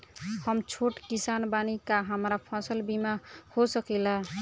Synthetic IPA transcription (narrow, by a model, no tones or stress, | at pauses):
həmt͡ʃʰoʈkisanbanikaɦəmɾapʰɔsəlbimahosəkɛla